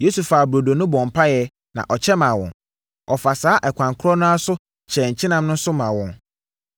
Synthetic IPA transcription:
jo˦su˨fa˨bɾo˨do˨nʊ̃˦bɔ̃˨m˨pʰa˦jɛ˦ | nã̰˨ʔɔ˨t͡ɕʰɛ˦mã˨wɔ̰̃˨n | ɔ˨fa˨saː˦ʔɛ˨kʷʰã˨ŋkʰʊ˦ɾɔ˦nʊ̃˦a˦sʊ˦ | t͡ɕʰɛ˨ɲ̩˨t͡ɕʰɪ˦nã˦mnʊ̃˦n˦sʊ˦mã˨wɔ̃˨n

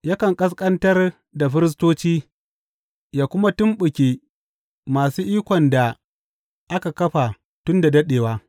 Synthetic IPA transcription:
ja˦kɐ˨ŋkʼɐ˦s̬kʼɐ˦ntɐ˦r | da˨ɸɪ˦ɾɪ˦s̬toː˦t͡ʃiː˦ | jaː˦kʷʊ˦ma˦tʊ˦mɓʊ˨kʲeː˦ | maː˨suː˦ʔiː˦kʷɔ˨nda˨ | ʔa˦ka˨kɐ˦ɸa˨ | tʊ˦nda˨dɐ˦ɗeː˨waː˦

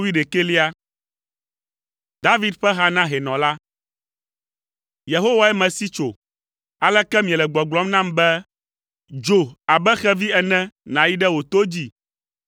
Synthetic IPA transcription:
wi˦ɖe˨ke˦li˦a˦ | d̪a˦vi˦d̪ɸɛ˦ɦa˦nã˦ɦɛ˨nɔ̃˨la˦ | je˨ɦo˦wa˦ɛ˦mɛ̃˨si˦t͡ʃo˨ | a˨lɛ˦kɛ˦mĩ˨ɛ˨lɛ˨ɡ͡bɔ˨ɡ͡blɔ˦mnã˦mbɛ˦ | d͡ʒo˨a˨bɛ˦xɛ˦vi˦ɛ˨nɛ̃˦nã˨ji˦ɖɛ˦wo˨t̪o˦d͡ʑi˦

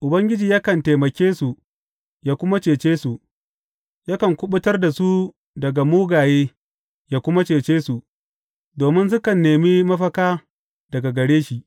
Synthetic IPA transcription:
ʔʊ˨bɐ˦ŋɡʲɪ˦d͡ʒiː˨ja˦kɐ˨nteː˨mɐ˨kʲeː˦su˨ | jaː˦kʷʊ˦ma˦t͡ʃeː˨t͡ʃeː˦su˨ʔ | ja˦kɐ˨ŋkʷʊ˦ɓʊ˦tɐ˦rda˨su˦ | dɐ˨ɡa˨muː˦ɡaː˨jeː˦ | jaː˦kʷʊ˦ma˦t͡ʃeː˨t͡ʃeː˦su˨ʔ | doː˨mɪ˦ns̬ʊ˦kɐ˨nːeː˨miː˦mɐ˦ɸɐ˦kaː˦ | dɐ˨ɡa˨ɡɐ˨ɽeː˦ʃi˨ʔ

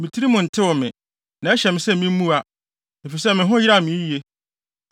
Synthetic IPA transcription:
mɪ̃˨tʰi˦ɾi˦mʊ̃˨n̩˨tʰɪ˦wʊ˨mɪ̃˨ | nã˨˦ɛ˦ɕɛ˨mɪ̃˨sɛ˦mĩ˦m̩˦mũ˦a˨ | e˨fi˨sɛ˦mɪ̃˨ɦʊ̃˦jɾa˨mĩ˨˦i˨˦e˦

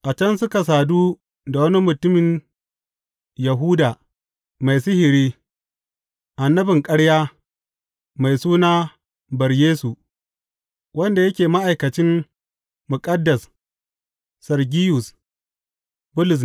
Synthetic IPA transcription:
ʔa˨t͡ʃɐ˦nsʊ˦ka˨s̬aː˨duː˦ | da˨wɐ˦ni˦mʊ˨tʊ˦mɪ˨n | jɐ˨ɦuː˦daː˨ | ma˨jsɪ˦hɪ˨ɾiː˦ | ʔa˨nːɐ˦bɪ˨ŋkʼɐ˦ɽjaː˦ | ma˨jsuː˦naː˦ | bɐ˨ɾjeː˦su˨ | wɐ˦nda˨jɐ˦kʲeː˨ma˦ʔa˨jkɐ˨t͡ʃɪ˦m | mʊ˨kʼɐ˦dːɐ˨s | sɐ˨rɡʲi˦jʊ˨s | bʊ˦lʊ˨s̬

